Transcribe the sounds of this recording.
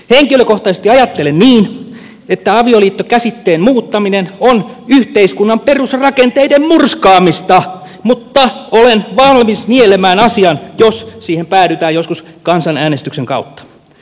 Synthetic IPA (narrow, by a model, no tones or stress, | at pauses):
heŋkiløkoht̪ɑsest̪iɑjɑt̪ːelenniːn | et̪ːæɑʋioliːt̪ːokæsit̪ːeːmmuːt̪ːɑminenonyht̪eiskunːɑmperusrɑkent̪eidemmurskɑːmist̪ɑ | mut̪ːɑolenʋɑlmisnielemæːnɑsiɑnjossiːhempæːɾyt̪æːjoskuskɑnsɑnæːnest̪ykseŋkɑut̪ːɑ̥